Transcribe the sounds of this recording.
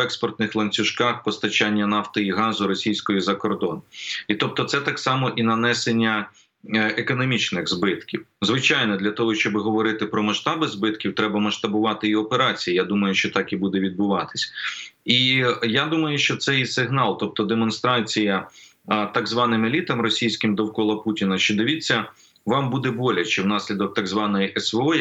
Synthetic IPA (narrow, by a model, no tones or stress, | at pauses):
ɛkspɔrt̪nɪxlˠɐnʲt͡sʲʊʃkɑxpɔst̪ɐt͡ʃanʲːɐnɑft̪ɪiɦɑzʊɾɔsʲijsʲkɔjizɐkɔrd̪ɔnit̪ɔp̚t̪ɔt̪sɛt̪ɑksɑmɔʔinɐnɛsenʲːɐ | ekɔnɔmʲit͡ʃnɪxzbɪt̪kʲiwzʋɪt͡ʃajnɔd̪lʲɐt̪ɔɦɔʃt͡ʃɔbɪɦɔʋɔɾɪt̪ɪpɾɔmɐʃt̪ɑbɪzbɪt̪kʲiwt̪ɾɛbɐmɐʃt̪ɐbʊʋɑt̪ɪiɔpeɾɑt͡sʲijijad̪umɐjʊʃt͡ʃɔt̪ɑkibud̪ɛʋʲid̪̚bʊʋɑt̪ɪ̥sʲijad̪umɐjʊʃt͡ʃɔt̪sɛjisɪɦnɑlˠt̪ɔp̚t̪ɔd̪emɔnst̪ɾɑt͡sʲijɐ | t̪ɑɡzʋɑnɪmelʲit̪ɐmrɔsʲijsʲkɪmd̪ɔwkɔlˠɐputʲinɐʃt͡ʃɔd̪ɪʋʲit͡sʲːɐ | ʋɑmbud̪ɛbɔlʲɐt͡ʃɪwnɑsʲlʲid̪ɔk̚t̪ɐɡzʋɑnɔjiʔɛsʋeɔ